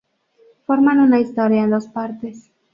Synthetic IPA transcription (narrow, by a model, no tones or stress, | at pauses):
fo̞ɾmanunaist̪oɾjaend̪o̞spaɾt̪es